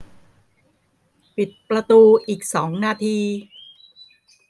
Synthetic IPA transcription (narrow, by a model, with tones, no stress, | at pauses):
pi˨˩t̪̚pɾa˧t̪uː˧ʔiː˨˩k̚sɔː˩˦ŋnaː˧t̪ʰiː˧